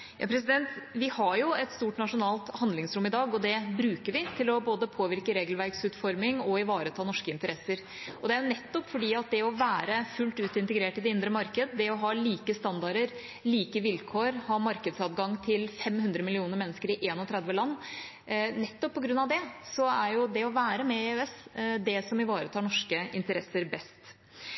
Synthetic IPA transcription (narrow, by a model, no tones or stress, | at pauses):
jɑ̰ːpʰɾɛsɪd̪ɛnt̪ʋɪhɑɾjʊɛt̪st̪uːʈnɑʂʊnɑːlt̪hɑnd̪lɪŋsɾʊmɪd̪ɑːɡɔd̪ɛbɾʉːkəɾʋɪt̪ʰɪlɔboːd̪əpʰoːʋɪɾkəɾeːɡəlʋæɾɡsʉːt̪fɔɾmɪŋɔɪʋɑːɾət̪ʰɑːnɔʂkəɪnt̪əɾɛsːəɾ | ɔd̪ɛæɾjʊnɛt̪ːɔpːfɔɖiːɑt̪̚d̪ɛɔʋæːɾəfʉlt̪ʉːt̪ɪnt̪əɡɾeːʈɪd̪ɛɪnd̪ɾəmɑɾkəd̪əd̪ɛɔɦɑːliːkəst̪ɑnd̪ɑɾəɾ | liːkəʋɪlkʰoːɾhɑːmɑɾkəd̪sɑt̪ɡɑŋːt̪ʰɪlfɛmhʉnd̪ɾəmɪlɪuːnəɾmɛnːəskəɾɪʔeːnɔt̪ʰɾɛd̪ʋəlɑnː | nɛt̪ːɔpʰːɔɡɾʉnːɑʋd̪ɛsɔæɾjʊd̪ɛɔʋæːɾəmɛeɛsd̪ɛsɔmɪʋɑːɾət̪ʰɑːɳɔʂkəɪnt̪əɾɛsːəɾbɛst̪